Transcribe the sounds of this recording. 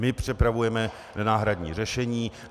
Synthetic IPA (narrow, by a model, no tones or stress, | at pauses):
mɪpr̝̥ɪpɾavujɛmɛ | nʔanaːɦɾadɲḭːr̝ɛʃɛɲiː